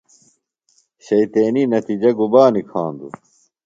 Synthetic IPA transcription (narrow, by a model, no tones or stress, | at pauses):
ɕɐit̪eːninɐt̪id͡ʑɐɡubaːnikʰã̰ːnd̪ṵ